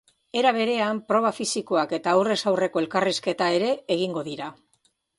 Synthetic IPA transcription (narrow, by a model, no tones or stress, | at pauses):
e̞ɾaβe̞ɾe̞ampɾo̞β̞afisiko̞ake̞t̪aːwre̞sawre̞ko̞e̞lkariske̞t̪ae̞ɾe̞eɣiŋɡo̞ðiɾa